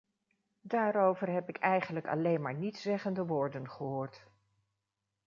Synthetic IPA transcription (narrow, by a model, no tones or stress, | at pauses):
daːɾowvəɹɦɛpɪkʰɛjχənləkɑ̰lejnmaːɹnitsɛχəndəʋoːɹdənχəɦoːɹt